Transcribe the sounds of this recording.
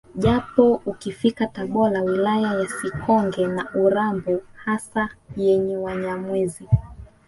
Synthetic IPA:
ʄapɔukifikataɓɔlawilajajasikɔŋɡɛnaʔuɾambuhasajɛɲɛwaɲamwɛzi

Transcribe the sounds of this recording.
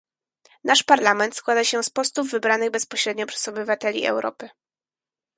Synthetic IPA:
naʂpaɾlamɛnt̪skwad̪aɕɛspɔst̪uvːɘbɾanɘɣbɛspɔɕɾɛd̪ɲɔpʂɛzɔbɘvat̪ɛlʲḭʔɛ̰wɾʔɔ̰pɘ

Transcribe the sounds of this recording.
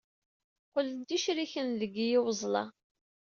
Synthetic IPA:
qʊld̪ːiʃɾiçənðəɡijɪwəzˤlɑ̰

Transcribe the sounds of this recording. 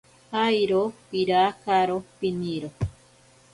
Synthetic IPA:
ajɾopiɾakaɾopiniɾo

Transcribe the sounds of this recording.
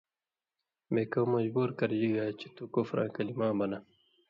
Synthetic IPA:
meːkɐmɐd͡ʑbuːɾkɐɾd͡ʑiɡaːt͡ɕe̥t̪ukofɾã̰ːkɐlimãːbɐna

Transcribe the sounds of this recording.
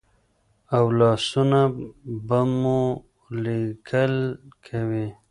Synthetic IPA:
awlɑːsunabamu | likʰəlkʰawi

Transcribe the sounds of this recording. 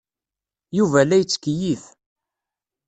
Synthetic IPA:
juvælæjət͡sːkjiθ

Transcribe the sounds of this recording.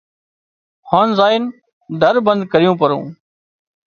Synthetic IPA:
hɔːnzaːɪn | d̪ʱəɾbə̃nd̪̚kəɾijũːpəɾõ̰ː

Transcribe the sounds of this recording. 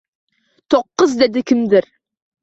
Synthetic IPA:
t̪ʰoqːəzd̪ed̪ɪkʲʰɪmd̪ɪɾ

